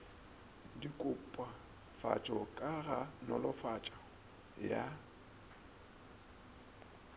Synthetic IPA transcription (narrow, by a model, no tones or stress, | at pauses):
dikʼʊpʼwa | fa̰t͡ʃʼɔkʼaɣanɔlɔfat͡ʃʼa | ja